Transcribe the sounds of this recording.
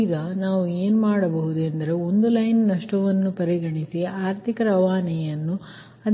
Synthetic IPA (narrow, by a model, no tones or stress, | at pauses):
d̪ɐnaːʋueːnmaːɽɐbɐɦud̪uend̪ɐɾe̞o̞nd̪ulɐjnnɐʂʈɐʋɐnːupɐɾiɡɐɳisiaːɾt̪ʰikɐɾɐʋaːnɛjɐnːu | ɐ